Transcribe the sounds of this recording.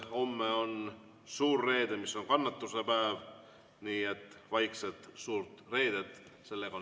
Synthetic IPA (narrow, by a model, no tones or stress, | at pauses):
o̞mːeo̞n | suːrːe̞ːd̪emisːo̞ŋkɑnːɑt̪ːuse̞pæev | niːe̞t̪ːˑvɑjksed̪̥suːɾt̪re̞ːd̪̥ed̪̥se̞lːeɡ̥ɑo